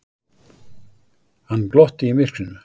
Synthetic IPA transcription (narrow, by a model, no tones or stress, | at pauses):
hanblɔht̪ɪimɪr̥kɾʏnʏ